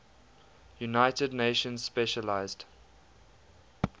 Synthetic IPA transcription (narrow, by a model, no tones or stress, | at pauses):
junaɪtədneɪʃə̃nzspɛʃəlaɪzd̥